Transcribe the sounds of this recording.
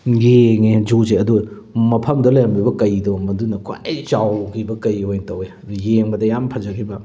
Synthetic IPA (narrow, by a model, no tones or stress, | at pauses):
jeŋed͡ʒuzeɐdu | mɐpʰɐmdɐlɐjɐmbibɐkɐjdɔmɐdunɐkʰa̰jt͡ʃawɡibɐkɐjhojntɐwe | jeŋbɐdɐjampʰɐzɐkʰibɐ